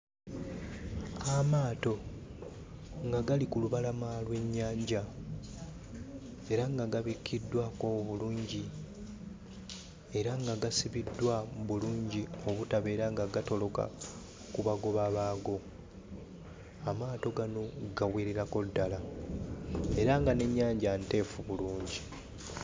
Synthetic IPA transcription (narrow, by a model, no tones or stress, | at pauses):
amaːto̞ | ŋɡaɡalikuluβalamalwe̞ɲːaːɲɟa | e̞ɾaŋɡaɡaβikʰːidːwakoβuluːɲɟi | e̞ɾaŋɡaɡasiβidːwaβuluːɲɟio̞βutaβe̞ːɾaŋɡaɡato̞lo̞ka̰ | kuβaɡo̞βaβaːɡo̞ | amaːto̞ɡano̞ɡaweːɾeɾako̞dːala | e̞ɾaŋɡane̞ɲːaːɲɟante̞ːfuβuluːɲɟi